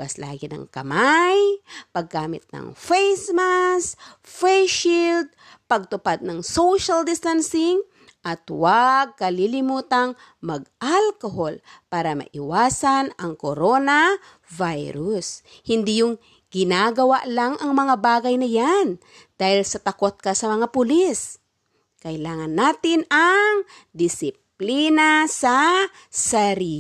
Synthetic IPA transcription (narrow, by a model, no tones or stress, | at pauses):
asla̰ːɡɪnɐ̰ŋkɐmajpɐɡːaːmɪt̪̚nɐ̰ŋfɛjsmas | fɛjʃild̪̚ | pɐɡ̚t̪ʊpad̪̚nɐŋsowʃald̪ɪst̪ansɪŋ | ʔɐt̪waɡ̚kɐlilɪmuːt̪ɐŋ | mɐɡ̚ʔalkoɦolpaːɾɐmɐ̰ʔɪwaːsanɐŋkoɾona | vajɾʊs | hɪnd̪ijʊŋ | ɡɪnaɡɐwaʔlaŋʔɐŋmɐŋabaːɡajnɐjan | d̪̥aːhilsɐt̪ɐkot̪̚kasɐmɐŋapʊlis | kɐɪlaːŋanːaːt̪ɪnaŋ | d̪ɪsɪp̚linasa | saɾi